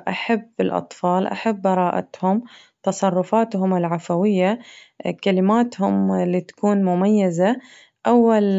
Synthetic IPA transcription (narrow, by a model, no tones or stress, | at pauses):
ʔaħabːɪlʔɑ̰t̪ˤfɑːlʔa̰ħabːɑɾˤɑːʔa̰t̪hʊm | t̪ɑsˤɑrˤːʊfaːt̪ɦʊmɪlʕafawɪjːakalɪmaːt̪hʊmliːt̪ḁkuːnmʊmajːaza | ʔawːal